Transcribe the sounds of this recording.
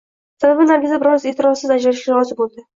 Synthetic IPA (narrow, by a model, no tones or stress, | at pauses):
sababɪmaɾɡʲɪzɪbɪɾɒzet̪ʰɪɾɒsɪzad͡ʒaɾɪʃkʲaɾɒzɪbolˠd̪ɪ